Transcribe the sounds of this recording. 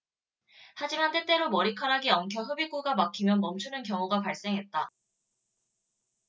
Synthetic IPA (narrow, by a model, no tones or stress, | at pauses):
had͡ʑimant͈e̞t͈e̞ɾomʌɾikʰaɾaɡiʌŋkʰjʌɸɯbik͈uɡamakʰimjʌnmʌmt͡ɕʰunɯnkjʌŋoɡapaɭs͈e̞ŋɦe̞t̚t͈a